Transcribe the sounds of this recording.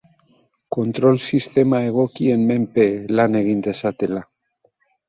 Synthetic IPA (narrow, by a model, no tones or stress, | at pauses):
ko̞nt̪ɾo̞lsist̪e̞mae̞ɣ̞o̞kienme̞mpelane̞ɣ̞ind̪e̞sat̪ela